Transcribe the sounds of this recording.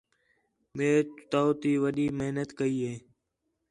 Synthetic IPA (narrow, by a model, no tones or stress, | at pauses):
meːt̪t̪aːoːt̪iːʋəɗiːməɦnət̪kəiːɦeː